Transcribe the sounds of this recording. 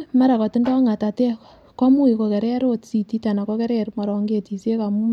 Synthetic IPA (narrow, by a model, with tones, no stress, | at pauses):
ma˦ɾa˨kɔ˨tɪ˦ndɔ˦ŋa˨ta˨tɛ˦ | kɔ˦mu˦i˨ko˨kɛ˨ɾɛ˦ɾotsi˨ti˦ta˨na˨kɔ˦kɛ˦ɾɛɾma˨ɾɔ˨ŋɡe˨ti˨se˦ka˨mu˦